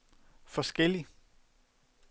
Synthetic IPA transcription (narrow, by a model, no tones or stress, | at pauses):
fɒ̽sɡ̥el̰i